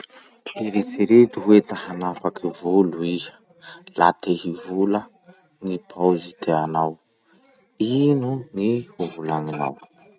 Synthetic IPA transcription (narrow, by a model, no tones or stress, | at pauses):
eɾit͡siɾet̪iɦwet̪ahanapakivului | la̰t̪eɦivulə | ŋipʰazit̪ʰeanaw | inunihuvulanina̰w